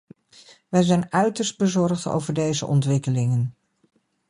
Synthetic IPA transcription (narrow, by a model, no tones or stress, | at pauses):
ʋɛjzɛjnœɥtəɹsd̚bəzɔɹχto̰wvəɹdejzə̰ʔɔ̰ntʋɪkəlɪŋən